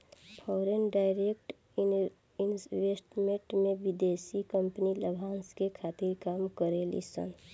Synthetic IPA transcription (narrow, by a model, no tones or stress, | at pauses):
pʰɔɾenɖaɪɾekʈ | i | inʋesʈmeʈmeʋid̪esikəmpniləbʱanskekʰat̪iɾkamkəɾelḭsə̰n